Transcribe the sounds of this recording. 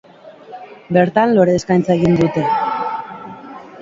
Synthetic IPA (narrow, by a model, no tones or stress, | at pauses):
be̞ɾt̪anlo̞ɾe̞ːskajnt͡sae̞ɣind̪ut̪e̞